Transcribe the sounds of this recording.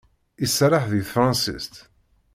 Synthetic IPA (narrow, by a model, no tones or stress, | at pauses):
isɾˤaħðiθfɾɑ̃nsḭst̪